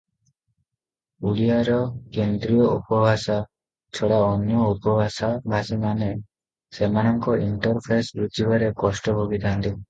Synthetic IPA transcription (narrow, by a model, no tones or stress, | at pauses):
uɭijaɾɔkend̪ɾijɔupɔbʱasa | t͡ʃʰɔɽaɔnjɔupɔbʱasabʱasimane | semanɔŋkɔiɳʈɔɾpʰesɾutibaɾekɔsʈɔbʱoɡit̪ant̪i